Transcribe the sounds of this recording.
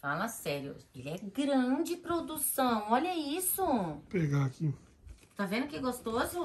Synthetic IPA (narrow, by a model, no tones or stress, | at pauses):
falɐsɛɾjʊ̰elɪɛɡɾɐ̃d͡ʒɪpɾod̪usɐ̃w̃ɔʎɐisʊpeɡaki | t̪avẽnd̪ʊkɪɛɡost̪ozʊ